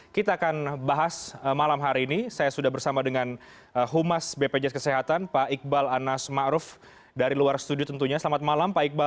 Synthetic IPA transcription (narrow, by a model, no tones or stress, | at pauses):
kit̪aːkanbaɦasəmalamɦaɾiːnisajasudahbərsamadəŋan | əɦumasbeped͡ʒɛkəseɦat̪anpaik̚balanasmaʔɾʊf | daɾiluarst̪udiot̪ənt̪uɲasəlamat̪̚malampaik̚ba